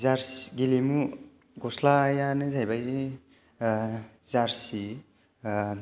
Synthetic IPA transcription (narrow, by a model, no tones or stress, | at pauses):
zaɾsɡilimu | ɡɔslajanɯzajbajzi | zaɾsi